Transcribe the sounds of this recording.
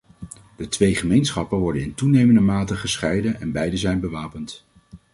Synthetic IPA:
d̥ətʋejχəmejnsχɑpəʋɔɹdənɪntunejməndəmaːtəχəsχɛjdənɛnbɛjdəzɛjnbəʋaːpənt

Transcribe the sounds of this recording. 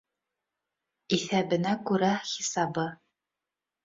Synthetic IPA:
iθæbɘ̆nækʉɾæχisɑbɤ

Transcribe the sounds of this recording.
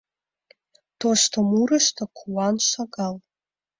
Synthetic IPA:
tʰoʃtʰamuɾaʃtʰakʷʰuwanʃʷaɡal

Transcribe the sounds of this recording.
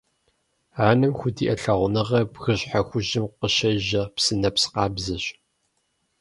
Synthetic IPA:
aːnɨmxʷʊdiːʔɐɬɐʁʷʊnɨʁɐbɣɨɕʼħaxʷʊʒɪmqəʃɐʒɐpsɨnɐpsqɑːbzɐɕ

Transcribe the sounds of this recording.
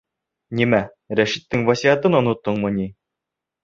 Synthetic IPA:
nʲimæ | ɾæʃit̪ːɘŋvæsʲiæt̪ɤnŏnŏt̪ːɤɴmɤ̆nʲi

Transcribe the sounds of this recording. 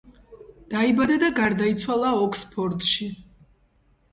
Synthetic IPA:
d̪̥aibad̪ad̪aɡaɾd̪ait̪sʰwalˠaɔkʰspʰɔɾd̪ʃi

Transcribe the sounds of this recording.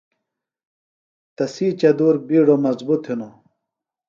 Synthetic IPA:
t̪ɐsiːt͡ɕɐd̪uːɾbiːɖomɐzbut̪ʰhino

